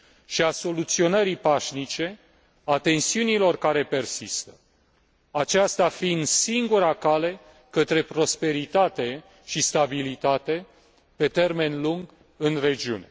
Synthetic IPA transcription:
ʃiaso̞lut̪sio̞nəɾipaʃnit͡ʃe̞ | at̪e̞nsiunilo̞rkaɾe̞pe̞rsist̪ə̥ | at͡ʃast̪afind̪siŋɡuɾakale̞ | kət̪ɾe̞pɾo̞spe̞ɾit̪at̪e̞ | ʃist̪abilit̪at̪e̞ | pe̞t̪e̞rme̞nluŋɡ | ɨnre̞d͡ʒiṵne̞

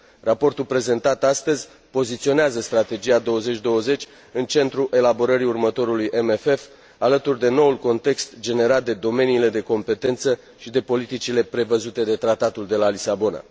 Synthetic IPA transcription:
rapo̞rt̪ulpɾe̞ze̞nt̪at̪ast̪əzʲ | po̞zit̪sio̞neazəst̪ɾat̪e̞d͡ʒiad̪o̞wəze̞t͡ʃʲd̪o̞wəze̞t͡ʃʲ | ɨnt͡ʃe̞nt̪ɾuʔe̞labo̞ɾəɾiurmət̪o̞ɾulujʔemefe̞f | alət̪urd̪e̞no̞ulko̞nt̪e̞kst̪d͡ʒe̞ne̞ɾat̪̚d̪e̞d̪o̞me̞niːle̞d̪e̞ko̞mpe̞t̪e̞nt̪sə | ʃid̪e̞po̞lit̪it͡ʃile̞pɾe̞vəzut̪e̞d̪e̞t̪ɾat̪at̪uld̪e̞lalisabo̞na̰

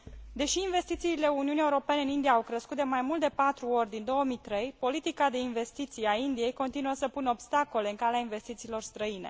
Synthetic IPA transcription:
d̪e̞ʃiːnve̞st̪it̪siːle̞uniunieuɾo̞pe̞neɨnind̪iaːwkɾəskut̪̚d̪e̞majmult̪̚d̪epat̪ɾuo̞rʲd̪ind̪o̞wəmit̪ɾe̞jpo̞lit̪ikad̪e̞inve̞st̪it̪sijaind̪ije̞jko̞nt̪inuəsəpunəobst̪ako̞le̞ɨŋkaleainve̞st̪it̪siːlo̞rst̪ɾəine̞̰

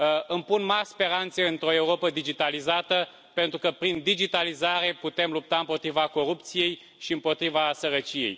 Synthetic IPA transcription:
ɨmpunmarʲspe̞ɾant̪se̞ɨnt̪ɾo̞e̞uɾo̞pəd̪id͡ʒit̪alizat̪ə | pe̞nt̪ɾukəpɾind̪id͡ʒit̪alizaɾe̞put̪e̞mlup̚t̪aɨmpo̞t̪ɾivako̞ɾupt̪sije̞j | ʃiɨmpo̞t̪ɾivasəɾət͡ʃije̞̰j

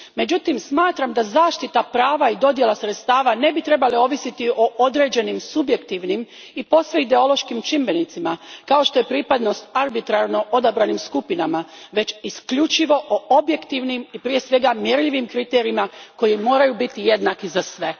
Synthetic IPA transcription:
me̞d͡ʑut̪imsmaːt̪ɾamd̪azaːʃt̪it̪apɾaːʋaid̪o̞d̪je̞lasɾet̪st̪aːʋane̞bit̪ɾe̞baleo̞ʋisit̪iʔo̞ʔod̪ɾe̞ːd͡ʑe̞nimsubje̞kt̪iʋnim | ipo̞sʋeid̪e̞o̞lo̞ʃkimt͡ʃimbe̞nit̪simakao̞ʃt̪o̞je̞pɾiːpad̪no̞st̪aɾbit̪ɾaɾno̞ʔo̞d̪abɾanimskupinamaʋe̞t͡ɕiskʎut͡ʃiʋo̞ʔoʔobje̞kt̪iʋnimipɾije̞sʋe̞ɡamjeɾʎiʋimkɾit̪eːɾiimako̞jimo̞ːɾajubit̪ije̞d̪nakizasʋe̞

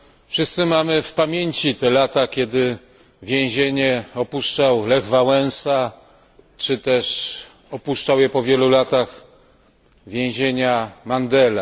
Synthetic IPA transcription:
fʂɘst̪sɘmamɘfpamʲjeɲt͡ɕit̪ɛlat̪akʲɛd̪ɘ | vʲjẽw̃ʑeɲɛɔpuʂt͡ʂawlɛɣvawɛ̃ñsa | t͡ʂɘt̪ɛʂ | ɔpuʂt͡ʂawjɛpɔvʲjɛlulat̪aɣ | vʲjẽw̃ʑeɲamand̪ɛla

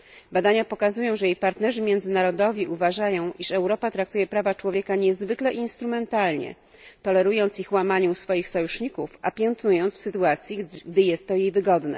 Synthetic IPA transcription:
bad̪aɲapɔkazujɔ̃w̃ʐɛjejpaɾt̪nɛʐɘmʲjɛnd̪zɘnaɾɔd̪ɔvʲjiʔuvaʐajɔ̃w̃ʔiʂɛwɾɔpat̪ɾak̚t̪ujɛpɾavat͡ʂwɔvʲjɛkaɲɛzvɘklɛʔinst̪ɾumɛnt̪alɲɛ̰ | t̪ɔlɛɾujɔnt̪sixwamaɲusfɔjixsɔjuʂɲikufapʲjɛnt̪nujɔnfsɘt̪uat̪sʲjiɡd̪ɘjɛst̪ːɔjejvɘɡɔd̪nɛ̰

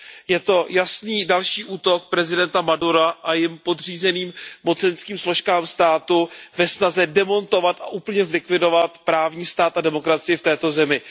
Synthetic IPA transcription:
jɛt̪o̞jasniːdalʃiːʔuːt̪o̞k̚pɾɛzɪdɛnt̪amaduɾaʔajɪmpo̞d̪r̝iːzɛniːmmo̞t͡sɛnskiːmslo̞ʃkaːmst̪aːt̪uvɛsnazɛdɛmo̞nt̪o̞vat̪a̰ʔuːpl̩ɲɛzlɪkvɪdo̞vat̪pɾaːvɲiːst̪aːt̪adɛmo̞kɾat͡sɪjɪft̪ɛːt̪o̞zɛmɪ

